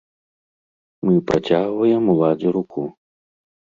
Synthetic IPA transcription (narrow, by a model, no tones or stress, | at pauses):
mɨpɾat͡sʲaɣvɐjɛmulˠad͡zʲiɾukʰu